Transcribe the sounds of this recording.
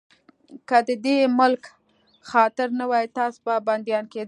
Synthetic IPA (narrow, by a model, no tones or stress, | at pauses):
kəd̪əd̪emʊlk | xɑt̪ɪɾnawɑjt̪ɑsbaband̪jɑnked̪